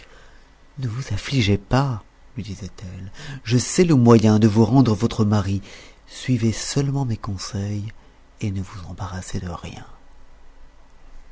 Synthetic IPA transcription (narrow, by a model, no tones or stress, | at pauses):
nəvuzafliʒepa | lɥid̪izɛt̪ɛlʒəsɛləmwajɛ̃d̪əvuʁɑ̃d̪ʁəvɔt̪χəmaʁi | sɥivesœlmɑ̃mekɔ̃sɛj | enəvuzɑ̃baʁased̪əʁjɛ̰̃